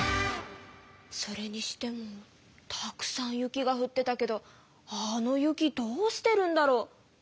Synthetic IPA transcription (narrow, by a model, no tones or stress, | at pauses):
so̞ɾe̞ɲ̟iɕi̥t̪e̞mo̞ | t̪ʰakɯ̟̥sãɰ̃jɯ̟kʲiɡaɸɯ̟t̪ːe̞t̪ake̞d̪o̞ | ano̞jɯ̟kʲid̪o̞ːɕi̥t̪e̞ɾɯ̟̃nd̪aɾo̞ː